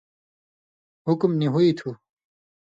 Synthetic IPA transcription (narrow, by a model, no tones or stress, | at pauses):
ɦukmniɦuit̪ʰu